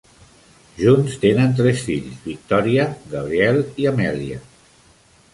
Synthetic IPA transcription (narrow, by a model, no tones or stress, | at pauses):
ʒunst̪enənt̪ɾɛsfiʎzβik̚t̪ɔɾiəɣəβ̞ɾiɛlˠiəmɛliə̰